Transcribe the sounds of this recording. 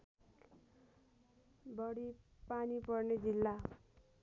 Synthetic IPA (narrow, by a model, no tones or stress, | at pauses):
bʌɽipanipʌrned͡zilːa